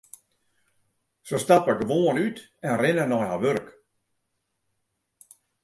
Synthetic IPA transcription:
sostapədəʋoːənyt | ɛnrɪnənɔjhaʋøɾk

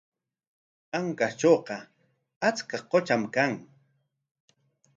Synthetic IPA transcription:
aŋkat͡ʃowqɑ | at͡skaqot͡ʃamkaŋ

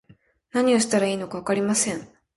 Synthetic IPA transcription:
naɲ̟io̞ɕi̥t̪aɾaiːno̞kaβ̞akaɾʲimasẽ̞ŋ

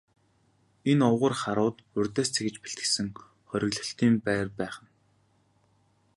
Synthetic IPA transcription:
enɔwʁə̆rχaɾʊːt̪pɵrʲt̪eːst͡sʰexɘ̆t͡ɕpe̥ɬt̪ɡɘ̆sɘ̆ŋ | χœɾʲɪ̆ɣɮɞ̆ɬt̪iːmpæːrpæːχə̆n

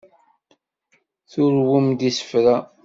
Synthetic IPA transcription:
θʊɾwʊmd̪isə̥fɾæ

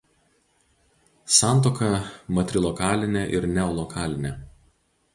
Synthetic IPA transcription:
sɑˑnt̪̬oːkɐmɐt̪ʲɾʲɪlˠɔkɑːlʲɪnʲeʔɪɾnʲɛɔlˠɔkʰɑːlʲɪnʲe

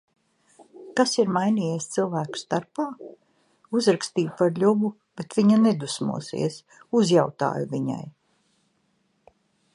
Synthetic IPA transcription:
kasiɾmajniːjeɛst̪silˠvæːku̥st̪aɾpaː | uzɾakst̪iːpaɾʎʲubu | b̥et̪vʲiɲaned̪usmṵɔsḭɛs | uzjawt̪a̰ːjuviɲa̰j

